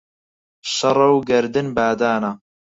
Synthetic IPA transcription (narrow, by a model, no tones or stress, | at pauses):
ʃɐɾˤɐwɡɐɾd̪ɨnbaːd̪aːna